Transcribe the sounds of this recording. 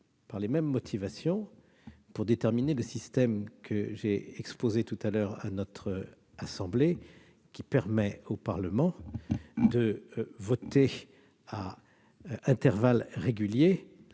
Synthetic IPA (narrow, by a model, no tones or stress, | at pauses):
paʁlemɛmːɔt̪ʰivasjɔ̃ | puʁd̪et̪ɛʁmineləsist̪ɛmkʰəʒeɛkspozet̪ut̪alœʁa̰nɔt̪χ | asɑ̃ble | kʲipɛʁmɛopaʁləmɑ̃ | d̪əvɔt̪e | a | ɛ̃t̪ɛʁvalʁeɡʲylje